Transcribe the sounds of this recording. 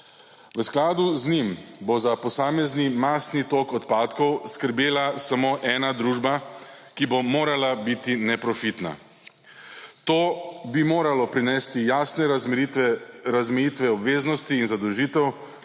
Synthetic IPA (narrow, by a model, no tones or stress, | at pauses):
ʋəsklaːd̪uznimbozapɔsaːmɛznimaːsnit̪oːkɔt̪paːt̪kɔwskəɾbjeːlasamoːʔɛːnad̪ɾuːʒbakibomoːɾalabit̪inɛpɾɔfit̪na̰ | t̪oːbimoːɾalɔpɾinɛːst̪ijaːsnɛ | ɾazmɛjit̪ʋɛɔbʋeːznɔst̪iːnzad̪ɔwʒiːt̪ɛw